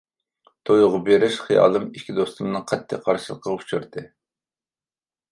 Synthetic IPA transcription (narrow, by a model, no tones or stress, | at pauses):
t̪ʰojʊʁɑbeɾɪʃχijɑ̰ːlˠɨmikʲid̪ost̪umnɨŋqʰɛt̪ʰːɪqʰɑɾʃɨlˠəqʰːɑut͡ʃʰuɾt̪ɨ